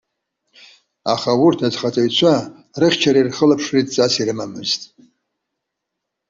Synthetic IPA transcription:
a̰χawurtʰad͡zχat͡sʼajt͡ɕʷʰa | rɨχʲt͡ʃʰaɾairχəlapʰʂritʼt͡sʼasirɨmamɨ̰ztʼ

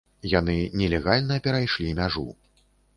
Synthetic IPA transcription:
jan̪ɨnʲɛlʲɛɣalʲnɐpʲɛɾajʂlʲimʲaʐṵ

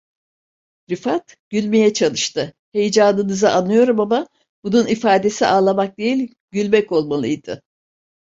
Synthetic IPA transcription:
ɾifat̪ | ɟ̥ylʲme̞jɛt͡ʃʰalˠɯʃt̪ɯ | he̞jd͡ʒaːnɯnɯzɯʔanːɯjo̞ɾumama | b̥ununifaːd̪e̞siʔaːlˠamak̚d̪e̞jilʲ | ɟylʲmɛko̞lˠmalˠɯ̰jd̪̥ɯ̰

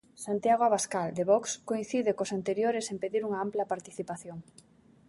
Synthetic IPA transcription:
sant̪jaɣwaβaskald̪eβɔkskoĩn̟θiðɪkosant̪eɾjoɾɪsempeðiɾuŋɐamplɐpaɾt̪iθipaθjoŋ

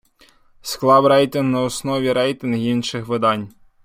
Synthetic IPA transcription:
sklˠɑwɾɛjt̪ʲinɦnɐɔsnɔʋʲiɾɛjt̪ʲinɦinʃɪxʋɪd̪ɑnʲ

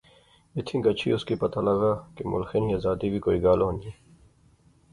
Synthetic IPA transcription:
ɪt̪ʰĩɡɐt͡ʃʰḭʊskipɐt̪alɐɡaːkemʊ̰lxeniɐzaːd̪ibʱikoːiɡaːloɦnieː

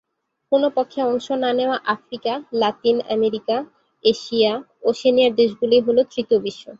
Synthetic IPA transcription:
konopokʰːeɔŋʃonaneoaʔafɾikalat̪ina̰meɾika | eʃia | oʃeniaɾd̪eʃɡuliɦolot̪ɾit̪obiʃːo

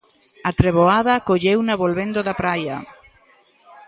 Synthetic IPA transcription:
at̪ɾeβoaðakoʎewnaβolβend̪oðapɾajɐ̰

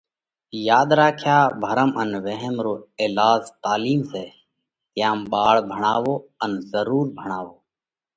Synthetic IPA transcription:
jaːd̪ɾaːkʰjaːbʱəɾəmənʋeɦɛmɾoːeːlaːzt̪aːliːmseː | t̪ɪjãːmɓaːɭbʱəɳ̃aːʋoːənzəɾuːɾbʱəɳ̃aːʋoː

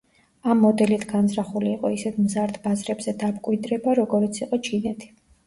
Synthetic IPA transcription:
amːɔd̪ɛlit̪ʰɡanzɾaχuliːqʼɔisɛt̪ʰmzaɾd̪bazɾɛbz̥ɛd̪amkʼwid̪ɾɛbaɾɔɡɔɾit̪sʰiqʼɔt͡ʃʰinɛt̪ʰi̥

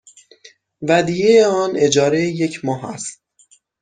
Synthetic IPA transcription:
væd̪ijejeɒːne̞d͡ʒɒːɾejje̞cʰmɒːɦæ̰st̪̚

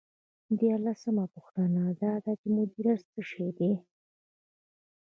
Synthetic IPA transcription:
d̪jɑɾlasəmapʊxt̪anad̪ɑd̪at͡ʃemʊd̪iɾatt͡səʂed̪e

